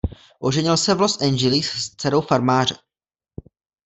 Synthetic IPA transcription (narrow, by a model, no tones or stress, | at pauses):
ʔo̞ʒɛɲɪlsɛvlosʔɛnd͡ʒɪlisst͡sɛɾo̞wfaɾmaːr̝ɛ